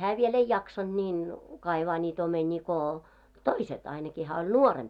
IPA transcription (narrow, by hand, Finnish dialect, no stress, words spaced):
hæː ʋiel ei jɑksɑnd̥ niːn kɑiʋɑː nʲiːt omenʲiː ko toiset ɑinɑki hæː olʲ nuoremp